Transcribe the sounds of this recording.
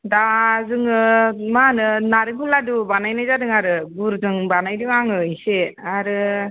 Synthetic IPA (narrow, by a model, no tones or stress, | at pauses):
dazɯŋɯmanɯnaɾɯŋkʰuladubanajnajzadɯŋaɾɯɡuɾzɯŋbanajdiŋaŋɯiseaɾɯ